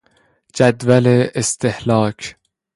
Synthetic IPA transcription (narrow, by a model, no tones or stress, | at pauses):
d͡ʒæd̪væleest̪ehlɒːkʰ